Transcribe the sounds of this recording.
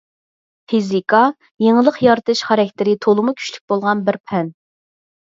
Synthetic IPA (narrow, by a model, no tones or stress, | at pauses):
pʰizikʰɑ | jeŋəlˠəqjɑɾt̪ʰɨʃχæɾɛkʲt̪ɪɾɪt̪ʰolˠɨmukʲʰy̥ʃly̥k̚ʲbolˠʁɑnbɪɾpʰɛn